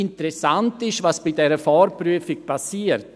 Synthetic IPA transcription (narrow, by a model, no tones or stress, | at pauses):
ɪntəɾɛsantɪʃvaːsb̥idɛɾəfɔːɾpryəfɪk̚pʰasiːəɾt